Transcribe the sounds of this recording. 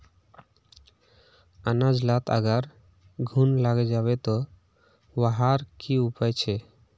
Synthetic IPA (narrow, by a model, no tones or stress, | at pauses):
anad͡ʒlat̪ʰa̰ɡaɾ | ɡʱunlaɡed͡ʒaβet̪ɔ | waɦaɾkiupajt͡ɕʰe